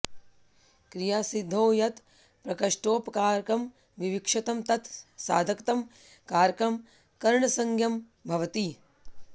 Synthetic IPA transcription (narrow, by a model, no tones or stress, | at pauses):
kɾijaːsid̪ʱːoːjɐt̪ | pɾɐkɐʂʈoːpkaːɾkɐm | ʋiʋikʂɐt̪ɐmt̪ɐt̪sa̰ːd̪ʱɐkt̪ɐm | kaːɾkɐm | kɐɾɳɐsɐŋɡʱjɐm | bʱɐʋɐt̪i